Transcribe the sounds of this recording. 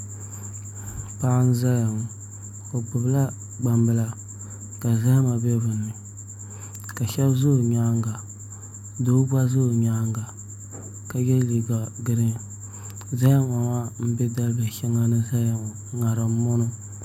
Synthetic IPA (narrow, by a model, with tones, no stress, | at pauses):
pa˦ʔn˦za˦ja˨ŋo˨ | o˨ɡ͡bʊ˨bla˦ | ɡ͡ba˨mbɨ˨la˦ | ka˨za˦ha˦ma˨bɛ˦bɨ˨nːɨ˨ | ka˨ʃɛ˦bzʊ˦˨ɾɲa˦ŋɡa˨ | do˦ba˦zʊː˦˨ɾɲa˦ŋɡa˨ | ka˨jɛ˦li˨ɡa˨ɡɨ˦ɾɨ˦ | za˦ha˦ma˨ma˦m̩˦bɛ˦da˦lbɨ˨ʃɛ˦ŋa˦nɨ˦za˦ja˨ŋo˨ | ŋa˨ɾɨ˨˦mʊ˦nɨ˦